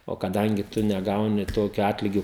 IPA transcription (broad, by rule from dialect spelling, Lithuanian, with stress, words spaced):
oː kɐˈdɐŋʲɡʲɪ ˈtʊ nʲɛˈɡɐʊnʲɪ ˈtoːkʲʊ ˈɑːtʲlʲɪɡʲʊ